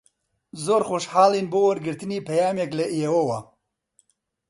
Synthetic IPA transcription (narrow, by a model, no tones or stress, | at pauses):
zoːɾxoːʃħaːliːnboːwɐɾɡɨɾt̪ɨniːpɐjaːmeklɐʔiewɐwɐ